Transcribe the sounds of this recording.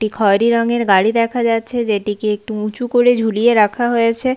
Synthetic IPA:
ʈikʰɔɾiɾɔŋeɾɡaɽid̪ɛkʰad͡ʑatːt͡ɕʰed͡ʑeʈikeek̚ʈuũt͡ɕukoɽed͡ʑʱulijeɾakʰaɦojet͡ɕʰe

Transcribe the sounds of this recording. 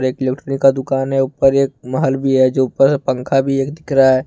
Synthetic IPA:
ɾeːkɪlek̚ʈɾəːnikːad̪ʊkaːnɦɛupəɾeːkmaɦəlbʱiɦɛd͡ʒopəɾpə̃ŋkʰabʱieːkd̪ɪkɾaɦɛː

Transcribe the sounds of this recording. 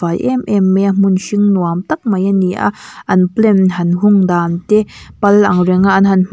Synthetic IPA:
ajʔɛmʔɛmːɛmunʃiŋnuamt̪ɐk̚mɐjaniʔa̰ʔɐnplɛnɦɐnɦuŋd̪aːnt̪ɛpɐlːɐŋrɛŋaʔanɦɐnm

